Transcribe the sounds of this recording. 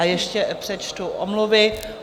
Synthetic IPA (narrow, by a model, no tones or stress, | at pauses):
jɛʃcɛpr̥ɛt͡ʃt̪uʔomluvɪ